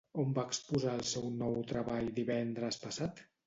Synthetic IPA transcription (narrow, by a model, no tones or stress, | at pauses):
ombaəkspuzaəlˠsɛwnɔwt̪ɾəβaʎd̪iβɛnd̪ɾəspəsat̪